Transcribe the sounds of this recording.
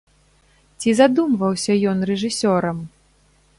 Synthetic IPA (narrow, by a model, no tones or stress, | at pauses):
t͡sʲizad̪umvɐwsʲɐjɔnrɛʐɨsʲɔɾɐm